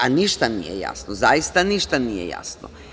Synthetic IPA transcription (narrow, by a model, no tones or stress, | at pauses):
aniʃt̪anḭjḛja̰snozajist̪aniʃt̪anijḛja̰sno̰